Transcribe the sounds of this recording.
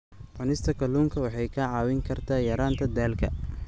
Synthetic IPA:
ʕʊnɪst̪ʰɐkʰɐluːŋkʰɐwɑħɑjkʰɐʕɑːwɪŋkʰɐrt̪ʰaːjɐɾaːnt̪ʰɐd̪aːlkʰɐ̰

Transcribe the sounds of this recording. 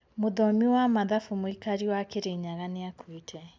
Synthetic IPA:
moðɔmiwamaðafumoikaɾiwakeɾeɲaɣaneakʰuitʰɛ

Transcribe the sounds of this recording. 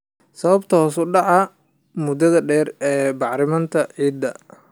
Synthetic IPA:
sɐβɐbt̪ʰɐhɔsʊɖɑʕɑ | mʊd̪ɐðɐɖɛːrɛːbɑʕɾɪmɐnt̪ʰɐʕiːd̪ːɐ

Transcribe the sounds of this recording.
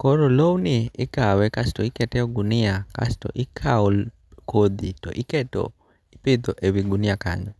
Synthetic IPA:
kɔɾolownɪɪkawɛkastɔikɛtɛɔɡunɪaka̰stɔ̰ʔɪkʰaɔ | kʰod̪itɔ̰ʔɪkɛtɔ̰ | ipɪd̪ɔʔewiɡunɪjaka̰ɲɔ

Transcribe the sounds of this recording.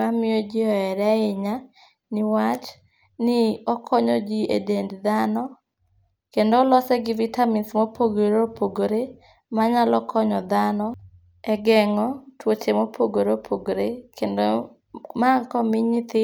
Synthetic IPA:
amɪɔd͡ʒiɔɛɾaɪɲa | nɪwat͡ʃ | nɪɔkʰɔɲɔd͡ʒiḛdendd̪anɔ | kendoːlɔsɛɡɪvitaminsmopʰoɡoɾopoɡoɾe | maɲalɔkʰɔɲɔd̪anɔ | ɛɡɛŋɔtwot͡ʃemopʰoɡoɾopʰoɡoɾekendo | maŋkɔmɪɲɪt̪ɪ

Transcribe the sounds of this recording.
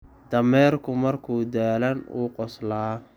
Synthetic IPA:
d̪ɐmɛːrkʰʊmɐrkʰuːd̪aːlɐnṵːqɔslaː

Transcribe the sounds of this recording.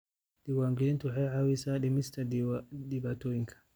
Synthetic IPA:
diwaŋɡilintuhɛjʕawisaɗɛmistadibatoiŋkʰḁ

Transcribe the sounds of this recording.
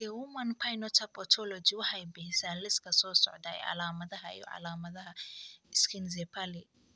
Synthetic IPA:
ɛwumɐnpʰajnɔt̪ʰapʼɔt̪ʰɔlɔd͡ʒiwɐħajbɛhsaːlɪskɐsɔːsɔ̰ʕd̪aɛ̰ʔa̰laːmɐðɐɦaʔɛ̰jɔ̰ʔa̰laːmɐðɐɦɐɪskʰɪnzɛpali

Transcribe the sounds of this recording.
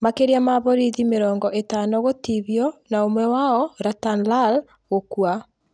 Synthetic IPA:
makeɾiamaβɔɾiðimeɾɔːŋɡɔʔetanɔɣotiβjɔnaomwɛwaɔɾatanlal | ɣokwa

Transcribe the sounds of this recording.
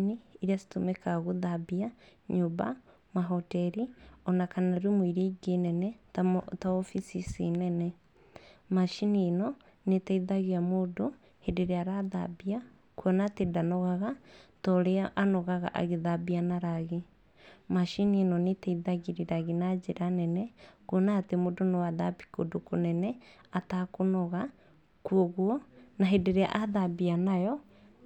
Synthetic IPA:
niːɾiasi̥tomɛkaɣoðabiaɲoba̰ | maɦɔtɛɾiɔnakanaɾimwiɾeɡenɛnɛtaɔfisisinɛnɛ | maʃinienɔ | netaiðaɣeamodo | hedeɾeaɾaða̰bia | kwɔnatedanɔɣaɣatɔɾeaʔanɔɣaɣa̰ʔa̰ɣeðabianaɾaɣe | maʃinienɔnetɛiðaɣeɾiɾaɣinad͡ʑeɾanɛnɛkwɔnaːtemodonewaðabi̥kodokonɛnɛatakonɔɣa | kuɔɣwɔnaɦedeɾea̰ʔaðabianajɔ

